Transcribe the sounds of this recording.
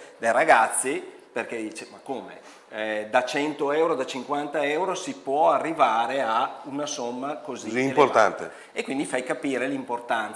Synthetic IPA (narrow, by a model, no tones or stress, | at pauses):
d̪ejraɡat̪sːiperked̪iːt͡ʃemakːoːmḛ | d̪at͡ʃɛnt̪oɛwɾod̪at͡ʃiŋkwant̪aɛwɾosipwɔarːivaːɾeaunasomːakoziimport̪a̰nt̪ḛ | ekːwind̪ifajkapiːɾelimport̪an